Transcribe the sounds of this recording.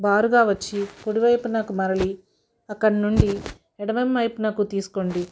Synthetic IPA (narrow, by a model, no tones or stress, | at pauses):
baːɾuɡaːʋɐt͡ʃːikoɽiʋɐjpunakumɐɾɐɭi | ɐkːɐɽnuɳɖi | ɛɽɐʋɐmːɐjpunakut̪iːsu̥koɳɖi